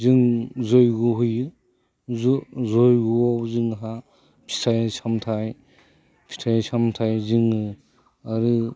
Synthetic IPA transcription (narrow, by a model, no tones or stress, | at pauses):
zɯŋzojɡuɦujɯ | zuzojɡuawzɯŋɦa | pʰi̥tʰajsʰamtʰaj | pʰi̥tʰajsʰamtʰajzɯŋɯ | aɾɯ